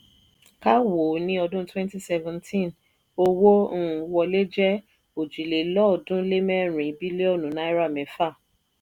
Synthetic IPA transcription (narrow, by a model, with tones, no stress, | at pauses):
ka˦wo˨nĩ˦ɔ˧dũ˦twɛ̃˦nti˦sɛ˧vɛ̃˨ntʰĩ˦˨n | o˧wõ˦˨wɔ˧le˦d͡ʒɛ˦ | o˨d͡ʒi˨le˨lɔ˦˨dũ˦le˦mɛ̃˦ɾ̃ĩ˨˦bi˦le˦ɔ˦˨nũ˨˦nã˦i˦ɾa˦˨mɛ̃˨˦fa˦˨